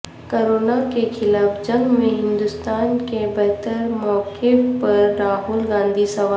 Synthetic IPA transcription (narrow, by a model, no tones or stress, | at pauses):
koːɾoːnakekʰɪlaːfd͡ʒɐ̃ŋɡmẽɦɪ̃nd̪ʊst̪aːnkebɛɦt̪əɾmɔːkepɐɾːaːɦʊlɡãːnd̪ʱisɐʋa